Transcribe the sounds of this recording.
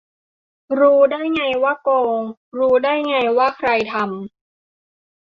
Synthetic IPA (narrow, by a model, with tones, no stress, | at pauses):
ɾuː˦˥daː˥˩jŋa˧jwaː˥˩koː˧ŋɾuː˦˥daː˥˩jŋa˧jwaː˥˩kʰɾa˧jt̪ʰa˧m